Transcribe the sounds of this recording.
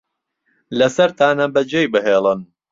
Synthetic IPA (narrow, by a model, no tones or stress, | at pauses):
lɐsɐɾt̪aːnɐbɐd͡ʒejbɨɦeːlˠɨn